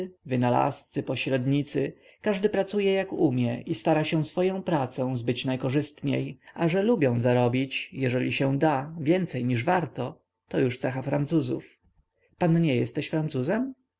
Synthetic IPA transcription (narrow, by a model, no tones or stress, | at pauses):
vɘnala̰st̪sɘpɔɕɾɛd̪ɲit̪sɘ | kaʐd̪ɘpɾat̪sujɛjakumʲjɛʔist̪aɾaɕɛ̃sfɔjɔ̃w̃pɾat̪sɔ̃w̃zbɘt͡ɕnajkɔʐɘst̪ɲḛjaʐɛlubʲjɔ̃w̃zaɾɔbʲit͡ɕjɛʐɛlʲiɕɛd̪avʲjɛnt̪sɛjɲiʐvaɾt̪ɔ | t̪ɔjuʂt̪sɛxafɾant̪suzṵf | panɲɛjɛst̪ɛɕfɾant̪suzɛm